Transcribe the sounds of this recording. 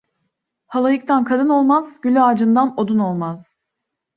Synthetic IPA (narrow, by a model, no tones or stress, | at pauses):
halˠajɯk̚t̪ʰankʰad̪ɯno̞lˠmaz̥ɟ̥ylʲyaːd͡ʒɯnd̪ano̞d̪uno̞lˠmaz̥